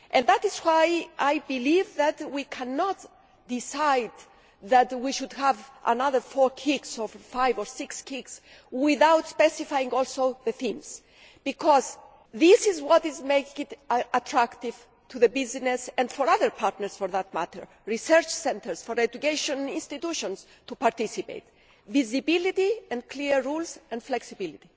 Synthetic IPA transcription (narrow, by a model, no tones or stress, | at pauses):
ʔɛ̃nðætɪzwajʔajbilivðæt̪wikʰænɔt̪ | d̪ɪsajd̪ | ðæt̪wiʃud̪hævʔa̰naðə˞fɔɹkʰiksɔvfajvɔɹsɪkskʰiks | wɪðawt̪spɛsifajĩŋɔlsoðəθĩms | b̥ikʰɔz | ðisizwɔt̪izmekĩŋɪtat̪ʰɹakt̪iv | t̪ʰuðəbiznesɛ̃ndfɔɹaðəɹpʰaɾt̪nəɹsfɔɹðat̪̚mat̪ə̰˞ | ɹisɛɹt͡ʃsɛ̃nt̪ʰəɹsfɔɹɛdukeʃõnĩnst̪it̪uʃɔ̃ns | t̪upaɾt̪isipḛɪt̪̚ | vizibilit̪iɛ̃nkʰliɹulsɛ̃nflɛksibilit̪i